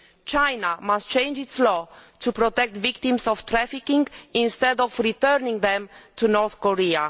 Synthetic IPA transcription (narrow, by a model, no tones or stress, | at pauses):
t͡ʃajnamastt͡ʃẽj̃nd͡ʒitslɔt̪ʰupɾɔt̪ɛk̚t̪vik̚t̪ĩmsɔft̪ɾɛfikĩŋĩnst̪ɛdɔfɹit̪ɛɾnĩŋðɛ̃mt̪ʰunɔɹθkɔɹia